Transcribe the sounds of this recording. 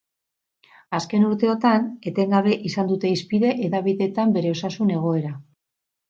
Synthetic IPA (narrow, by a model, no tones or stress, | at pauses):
aske̞nuɾt̪eo̞t̪ane̞t̪e̞ŋɡaβ̞e̞ʔisand̪ut̪e̞ispiðe̞ʔeðaβ̞iðe̞t̪ambe̞ɾe̞o̞sasune̞ɣ̞o̞e̞ɾa